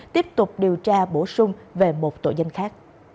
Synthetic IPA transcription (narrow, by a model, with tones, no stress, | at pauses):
t̪i˦˥əp̚t̪ʊ˨˩k͡p̚ɗi˨˩əwt͡ɕaː˧ɓo˧˩sʊ˧ŋ͡mve˨˩mo˨˩t̚t̪o̰˧˩zə˧jŋ̟xaː˦˥k̚